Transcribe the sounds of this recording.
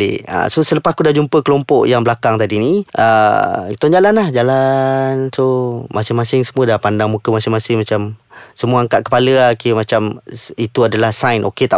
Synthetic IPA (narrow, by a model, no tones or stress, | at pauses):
ḛʔa̰sosələpaskudad͡ʒumpəkəlɔmpɔʔjaŋbəlakaŋt̪adiniʔə̰t̪ɔnd͡ʒalanlahd͡ʒalansomʔasɪŋmasɪŋsəmuədapandaŋmũkəmasɪŋmasɪŋmat͡ʃamsəmuaaŋkaʔ̪̚kə̥paləakimat͡ʃamit̪uadalahsajnʔoket̪a